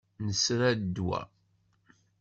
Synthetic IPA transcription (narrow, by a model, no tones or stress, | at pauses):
nəsɾæd̪wæ̰